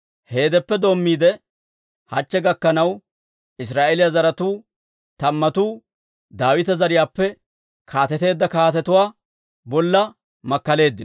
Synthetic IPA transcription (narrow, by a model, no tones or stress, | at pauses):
he̞ːd̪ɛpːɛd̪o̞ːmːiːd̪ɛ | hɐt͡ʃːɛɡɐkːɐnɐw | ɪs̬ɾaːʔelɪjazɐɾɐt̪uː | t̪ɐmːɐt̪uː | d̪aːwɪt̪ɐzɐɾɪjaːpːɛ | kʰaːt̪ɛt̪e̞ːd̪ːɐkaːt̪ɛt̪ʊwaː | bɔlːɐ | mɐkːɐle̞ːd̪ːɪn